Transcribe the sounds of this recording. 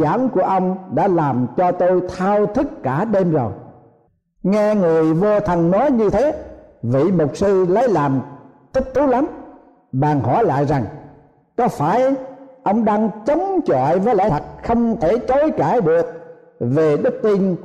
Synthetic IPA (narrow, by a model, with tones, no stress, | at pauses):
aː˧˩nku˧˩əʔə˧wŋ͡mɗa̰ː˧˥laː˨˩mt͡ɕɔ˧t̪o˧jt̪ʰaː˧wt̪ʰɨ˦˥kːaː˧˩ɗe˧mzo˨˩j | ŋɛ˧ŋɨ˨˩əjvo˧t̪ʰə˧nnɔ˨˦jɲɨ˧t̪ʰe˨˦vḭ˧˨mo˨˩t̚sɨ˧lə˨˦jlaː˨˩m | t̪i˦˥k̚t̪u˨˦la˨˦m | ɓaː˨˩ŋhɔ˧˩jla̰ː˧˨jza˨˩ŋ | kɔ˨˦faː˧˩jʔə˧wŋ͡mɗaː˧ŋt͡ɕə˨˦wŋ͡mt͡ɕɔ̰ː˧˨jvəː˨˦jla̰˧˥t̪ʰə˨˩k̚xə˧wŋ͡mt̪ʰe˧˩t͡ɕo˨˦jkaː˧˩jɗɨ˨˩ək̚ | ve˨˩ɗɨ˦˥k̚t̪i˧n